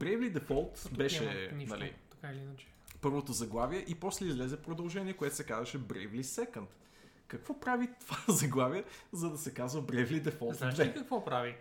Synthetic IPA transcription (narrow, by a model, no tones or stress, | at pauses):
bɾɛjvlid̪ɛfɔlˠt̪bɛʃɛnnɐlḭt̪ɐkailiinɐt͡ʃɛ̥pɤɾvot̪ozɐɡlˠaviɛʔipɔslɛizlɛzɛpɾod̪ɐlˠʒɛniɛkoɛt̪o̥sɛkazəʃɛbɾɛ̰jvlisɛkənt̪ | kɐkvɔpɾavit̪ovazɐɡlˠaviɛzɐd̪ɐsɛkazvɐbɾɛjvlid̪ɛfɔlˠt̪aʃvɛikɐkvɔpɾavi